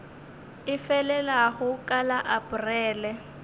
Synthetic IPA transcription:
ɪfɛlɛlaɣʊkʼalaʔapʊrɛːlɛ

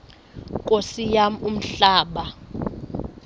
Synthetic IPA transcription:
kʼosijamum̩ɬaːɓa

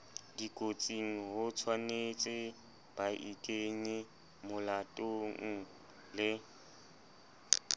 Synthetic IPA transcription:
dikʼot͡sʼiŋ̩ɦʊt͡sʰwanet͡sʼɪ | b̥aʔikʼeŋɪ | mʊlatʼoŋ̩ | lɪ

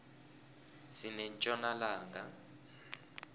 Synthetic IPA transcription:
sinɛnt͡ʃʼɔnalaːŋa

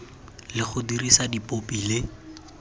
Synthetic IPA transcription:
lɪχʊdirisadipʼopilɪ

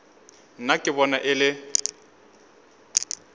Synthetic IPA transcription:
n̩nakʼɪbɔnaʔɪlɪ

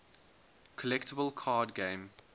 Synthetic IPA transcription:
kʰɔlɛktəbəlˠkʰɑːdɡẽɪ̃m

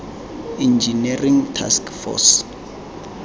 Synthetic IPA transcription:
ind͡ʒiniriŋtʰa̰skfɔ̰s

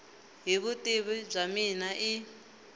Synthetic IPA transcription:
ɦiβutʼiβib͡ʐaminaʔi

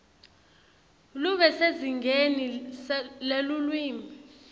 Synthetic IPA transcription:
luɓɛseziŋɡʱeni | lelulwiːmʱi

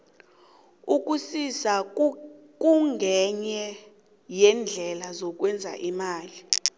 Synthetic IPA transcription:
uk̬ʼusisa | k̬ʼuŋɡʱɛɲɛ | jɛnd͡ɮʱɛlazɔk̬wɛnd͡zʱa̰ʔimaːli

